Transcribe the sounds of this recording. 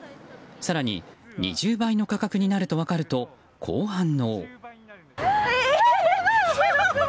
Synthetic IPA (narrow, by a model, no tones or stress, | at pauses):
saɾaɲ̟ḭɲḭʑɨːbaino̞kakakɯ̟ɲ̟inaɾɯ̟t̪o̞βakaɾɯ̟t̪o̞ | kʰo̞ːhãnːo̞